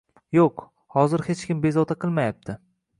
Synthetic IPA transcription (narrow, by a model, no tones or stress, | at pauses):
joq | hɒzɪɾhe̞t͡ʃkʲɪmbe̞zɒt̪ʰaqʰɨlˠmajap̚t̪ʰɪ